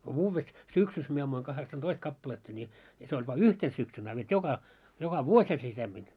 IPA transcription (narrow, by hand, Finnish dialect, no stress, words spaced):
ko ʋuːʋːes syksys mie ɑmːuiŋ kɑheksɑntoist kɑpːɑletːɑ nʲi jɑ se olʲ ʋɑ yhten syksyn ɑ ʋet jokɑ jokɑ ʋuosʲhɑ se semːin